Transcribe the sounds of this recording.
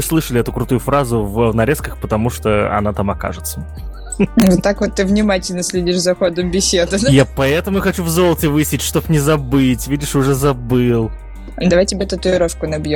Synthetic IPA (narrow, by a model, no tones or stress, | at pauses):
ɨslˠɨʂəlʲɪɛt̪ʊkɾʊt̪ujʊfɾazʊvnɐɾʲeskəxpət̪ɐmuʂt̪oɐ̰nat̪amɐka̰ʐɨt̪sə | vot̪ːakvot̪ːɨvnʲɪmatʲɪlʲnəsʲlʲɪdʲiʂzɐxod̪əmbʲɪsʲed̪ɨjapɐɛt̪əmʊxɐt͡ɕuvzo̞lˠtʲɪvɨsʲɪtʲʂt̪opnʲɪzɐbɨtʲvʲidʲɪʂʊʐɛzɐbɨlˠ | d̪ɐvajtʲɪbʲet̪ɐt̪uɪɾoʂkʊnɐbjom